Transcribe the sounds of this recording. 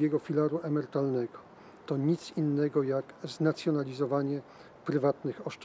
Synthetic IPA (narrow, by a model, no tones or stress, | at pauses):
ɛɡɔfʲilaɾuʔɛmɛɾt̪alnɛɡɔ | t̪ɔɲit̪sinːɛɡɔjakznat̪sʲjɔnalʲizɔvaɲɛ | pɾɘvat̪nɘxɔʂt͡ʂ